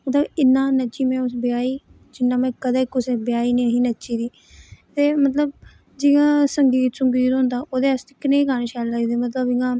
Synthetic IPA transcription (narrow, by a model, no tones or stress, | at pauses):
mət̪ləbɪnːãːnət͡ʃiːmɛ̃ːʊsbɪjaːiː | d͡ʒɪnːãːmɛ̃ːkəd̪aːkʊsebɪjaːiːneːɦĩːnət͡ʃiːd̪iː | t̪eːmət̪ləb̚ | d͡ʒɪɡãːsəŋɡiːt̪sʊŋɡiːt̪ɦʊ̃nd̪aːʔoːd̪eːəst̪ekɪnẽːkaneʃaːlaːiːd̪eːmət̪ləbɪɡãː